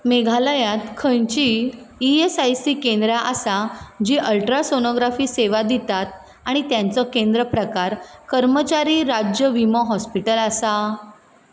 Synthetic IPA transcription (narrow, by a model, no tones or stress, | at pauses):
meɡʱaləjãt̪kʰəjt͡ɕiː | esajsiːkẽnd̪ɾaʔasad͡ʑiːʔəlʈɾasonoɡɾafiːseʋad̪it̪at̪̚ | aɽ̃it̪jãnt͡sɔkẽnd̪ɾəpɾəkaɾkəɾmət͡ɕaɾiːɾad͡ʑjəʋiməɦɔspiʈəlasa